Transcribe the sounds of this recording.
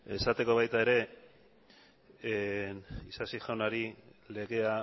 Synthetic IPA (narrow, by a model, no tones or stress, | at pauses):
e̞sat̪e̞ko̞βajt̪ae̞ɾe̞ | nisasiʝawnaɾile̞ɣe̞a